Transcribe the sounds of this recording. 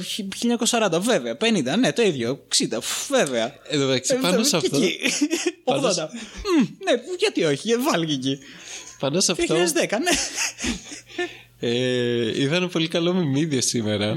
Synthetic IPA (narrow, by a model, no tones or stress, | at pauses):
çiʎɐɲɐkosɐɾɐnd̪ɐve̞veɐpe̞nind̪ɐne̞t̪o̞iðʝoksid̪ɐve̞veɐ | eðoðɐksipɐnossɐft̪oi | oɣðond̪ɐ | neʝɐt̪io̞çiɐvɐlʝicipɐnosɐfoɐizðekɐne | eiðɐnepo̞likɐlomimiðiɐsimeɾɐ